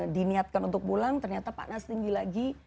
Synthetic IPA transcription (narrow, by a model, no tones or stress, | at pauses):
diniat̪̚kanunt̪ʊk̚pulaŋt̪ərɲat̪apa̰nast̪iŋɡilaɡi